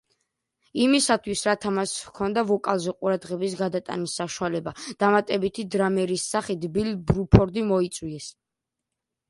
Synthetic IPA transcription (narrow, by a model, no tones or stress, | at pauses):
imisat̪ʰwisɾat̪ʰamaskʰɔnd̪avɔkʼalˠzɛqʼuɾad̪ʁɛbisɡad̪at̪ʼa̰nisːaʃualɛbad̪̥amat̪ʼɛbit̪ʰid̪ɾamɛɾisːaχit̪ʰbilbɾupʰɔɾd̪imɔit̪sʼwiɛs